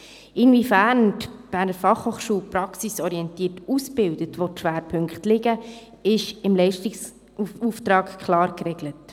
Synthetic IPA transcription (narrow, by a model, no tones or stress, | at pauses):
ɪnvifæːɾntb̥æːɾnəɾfɑχhoːχʃuːlpɾɑksisɔɾiɛntiːətusbɪldətʋotʃʋæːɾpʰɵŋkχtlɪɡə | ɪʃɪmlɛɪʃtɪs | uft̪ɾɑːkkʰχlɑːɾkɾɛɡlət